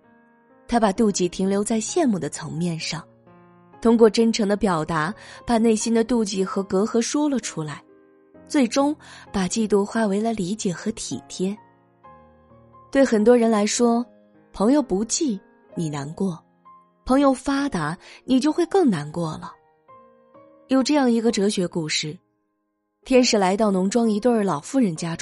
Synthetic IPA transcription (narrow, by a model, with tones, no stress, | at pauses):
t̪ʰa˥pa˨˩t̪u˥˧t͡ɕi˥˩t̪ʰi˧˥ŋljo˧˥ʊt͡sa˥˧ɪɕjɛ˥˧nmu˥˩d̪ə˩t͡sʰɤ˧˥ŋmjɛ˥˧nʂɑ˥˩ŋ | t̪ʰʊ˥ŋk̬wɔ˥˩ʈ͡ʂə˥nʈ͡ʂʰɤ˧˥ŋd̪ə˧pjɑ˨˩ʊt̪a˧˥pa˨˩ne˥˩ɪɕi˥nd̪ə˨t̪u˥˧t͡ɕi˥˩xɤ˧˥kɤ˧˥xɤ˧˥ʂwɔ˥lə˨ʈ͡ʂʰu˥la˧˥ɪ | t͡swe˥˩ɪʈ͡ʂʊ˥ŋpa˨˩t͡ɕi˥˧t̪u˥˩xwa˥we˧˥ɪlə˧li˧˥t͡ɕjɛ˨˩xɤ˧˥t̪ʰḭ˨˩t̪ʰjɛ˥ | t̪we˥˩ɪxə˨˩nt̪wɔ˥ɻə˧˥nla˧˥ɪʂwɔ˥ | pʰɤ˧˥ŋjo˧ʊpu˧˥t͡ɕi˥˩ | ni˨˩na˧˥nkwɔ˥˩ | pʰɤ˧˥ŋjo˧ʊfa˥t̪a˧˥ni˨˩t͡ɕjo˥˧ʊxwe˥˧ɪkɤ˥˩ŋna˧˥nkwɔ˥˩lə˩ | jo˨˩ʊʈ͡ʂɤ˥˧jɑ˥˩ŋi˧˥ɡə˧ʈ͡ʂɤ˧˥ɕɥɛ˧˥ku˥˧ʂɻ̩˥˩ | t̪ʰjɛ˥nʂɻ̩˨˩la˧˥ɪt̪ɑ˥˩ʊnʊ˧˥ŋʈ͡ʂwɑ˥ŋi˧˥t̪wə˞˥˩lɑ˨˩ʊfu˥˩ɻə˧˥nt͡ɕja˥ʈ͡ʂ